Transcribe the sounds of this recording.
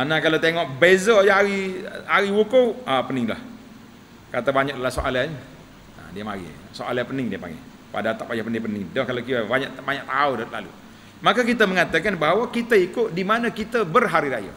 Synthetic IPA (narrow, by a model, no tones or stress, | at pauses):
anakalat̪eŋɔʔbezəjaɾiaɾiwukoapənɪŋla̰h | kat̪abaɲak̚dalasoʔalaɲ | a̰diəmaɣḭ | soʔa̰lapənɪŋdiəpa̰ŋɡɛ̰ | pa̰daat̪apajapəndipənɪŋdɔhkalakiabaɲaʔbaɲaʔ̚t̪audala̰lṵ | makakit̪aməŋat̪akanbaɦawakit̪aikʊʔ̪̚dimanãkit̪əbərɦaɾiɾaja̰